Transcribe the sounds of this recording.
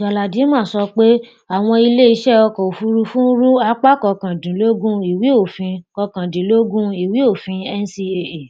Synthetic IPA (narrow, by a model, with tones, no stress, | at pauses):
d͡ʒa˨la˨di˨˦mãː˦˨sɔ˧k͡pe˦ | a˦˨w̃ɔ̃˧i˧le˦i˧˦ʃɛ˦ɔ˧kɔ˨o˨fu˧ɾu˧fũ˦n̩˦ɾu˦a˧˦k͡pa˦kɔ˧kã˨dĩ˨˦lo˦ɡũ˦i˨wi˨˦o˦˨fĩ˧kɔ˧kã˨dĩ˨˦lo˦ɡũ˦i˨wi˨˦o˦˨fĩ˧ɛ˧n˧si˧e˨e˨